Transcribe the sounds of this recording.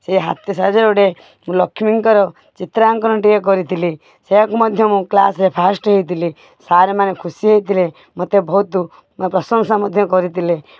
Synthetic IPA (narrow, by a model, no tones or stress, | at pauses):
seɦat̪jɔsad͡ʒɔɾoɽe | mũlɔkʰːmiŋkɔɾɔ | t͡ʃit̪ɾaŋkɔɾɔ̃ʈiek̬ɔɾit̪ʰili | seakumɔd̪ʱjɔmũklasɾepʰasʈɦeit̪ili | saɾemanekʰusiɦet̪ile | mɔt̪ebʱɔɦut̪u | pɾɔsɔŋsamɔd̪ʱjɔkɔɾit̪ile